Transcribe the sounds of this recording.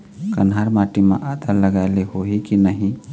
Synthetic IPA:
kɐnɦaːɾmaːʈimã̰ʔaːd̪əɾləɡaleɦoikinəɦĩ

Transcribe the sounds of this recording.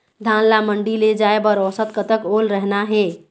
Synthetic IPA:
d̪ʱanlaməɳɖiled͡ʒaebəɾɔsət̪̚kət̪əkolɾəɦnaɦe

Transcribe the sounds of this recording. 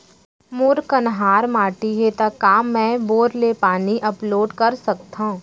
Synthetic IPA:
mʊɾkɐnɦaːɾmaːʈiɦet̪akːaːmːɛ̃boːɾlepaːniʔɐploːɖkɐɾsɐk̚t̪ãũ

